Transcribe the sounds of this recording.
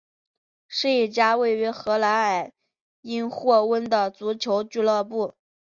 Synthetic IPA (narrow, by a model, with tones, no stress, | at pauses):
ʂɻ̩˥˧i˥˩t͡ɕja˥we˥˩ɪy˧˥xɤ˧˥la˧˥ɪa˨˩ɪ | i˥nxwɔ˥˩wə˥nd̪ə˨t͡su˧˥t͡ɕʰjo˧˥ʊt͡ɕy˥˧lɤ˥˧pu˥˩